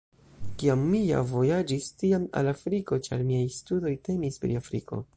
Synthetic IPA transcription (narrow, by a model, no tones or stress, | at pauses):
kiamːija̰vo̞jad͡ʒistiama̰lafɾiko̞t͡ʃa̰ɾmiajstudo̞jte̞mispɾḭafɾiko̞̰